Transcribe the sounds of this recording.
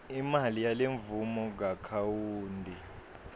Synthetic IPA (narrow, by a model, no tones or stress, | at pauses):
imalijaleɱvumɔɡakʰawuːndʱi